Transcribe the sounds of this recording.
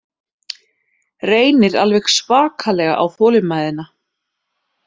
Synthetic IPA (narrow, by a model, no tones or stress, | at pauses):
reːjnɪɾa̰lvɛxsvaːkʰalɛɣaʔawθɔːlɪmːajðɪna